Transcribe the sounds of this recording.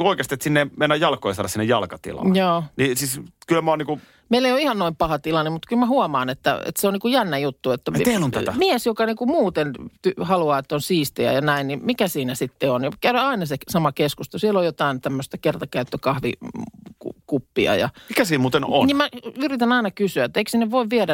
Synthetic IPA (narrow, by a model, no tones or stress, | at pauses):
oikest̪iet̪sinːemenːæjjɑlkojɑsɑːɾɑsinːejɑlkɑt̪ḭlɑ̰joːniːsiːskylmoːniːku | meilːeijoihɑnnoimpɑhɑt̪ilɑnːemut̪kylmæhuɑmɑːnet̪ːæ̰ḛt̪seoniːkujænːæjut̪ːuet̪ːæt̪elont̪ææmiɛsjokɑniːkumuːt̪ent̪yhɑluɑːet̪ːonsiːst̪ḛjæ̰jɑnæinnimikæsiːnæsit̪ːeonjɑkææɑinɑsesɑmɑkeskust̪osielojot̪ɑˑint̪æmːøst̪ɑkert̪ɑkæyt̪ːøkɑhʋḭkṵkupːiɑ̰jɑ̰mikæsiːmuːt̪eno̰niːmmæyrit̪ænɑinɑkysyæet̪ːæeiksinːeʋʋoiʋʋiɛɾæ